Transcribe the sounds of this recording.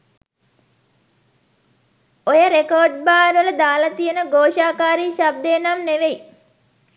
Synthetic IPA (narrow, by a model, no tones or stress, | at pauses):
ojəɾekoːɖ̚baːnʋələd̪aːlɐt̪ijenəɡoːʃaːkaːɾiːʃab̚d̪eːnamneʋej